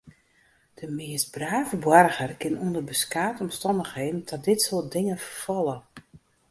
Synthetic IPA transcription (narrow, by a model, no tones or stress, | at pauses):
d̥əmɪəstbraːvəbwarɣərkɪnundərbəskaːtɔmstɔndəxɦeːn̩tʰɔt̚dɪtsoəlˠt̚dɪŋəfərfɔlˠə